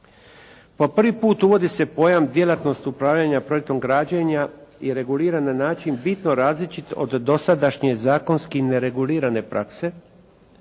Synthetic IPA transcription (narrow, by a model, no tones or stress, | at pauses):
po̞pr̩ʋipuːt̪uʋo̞d̪ise̞po̞jamd̪ʲjelat̪no̞st̪upɾaːʋʎaɲapɾo̞jek̚t̪o̞mɡɾad͡ʑeɲaiɾe̞ɡuliːɾanːanaːt͡ʃinbit̪no̞ɾaːzlit͡ʃit̪o̞̰d̪ːo̞sad̪aʃɲe̞zaːko̞nskine̞ɾe̞ɡuliːɾane̞pɾʔakse̞